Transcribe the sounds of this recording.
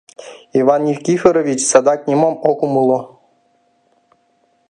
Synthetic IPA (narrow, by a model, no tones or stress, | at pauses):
iʋɑnifʲkʲixʲɘɾoʋʲit͡ɕsɑd̪ɑk̚nʲimomokumulˠɤ̆